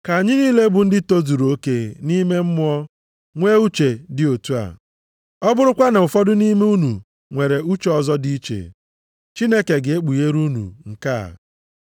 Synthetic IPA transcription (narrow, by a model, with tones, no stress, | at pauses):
ka˨a˨ɲɪ˦niː˦le˦bʊ˨n̩˦dɪ˦to˦zu˨ɾo˦ke˦ni˦me˦m̩˦mʊ˦ɔ˦ | ŋʷe˦u˦t͡ʃe˨dɪ˦o˨tu˦a̰˨ | ɔ˦bʊ˦ɾʊ˦kʷa˦na˨ʊ˨fɔ˦dʊ˦ni˦me˦u˦nu˨ | ŋʷe˨ɾe˨u˦t͡ʃɔ˨zɔ˦di˦i˦t͡ʃḛ˨ | t͡ʃi˦ne˦ke˨ɡɪ˨e˦k͡pu˨je˦ɾu˦nṵ˨ŋ̩˨ka̰˦˨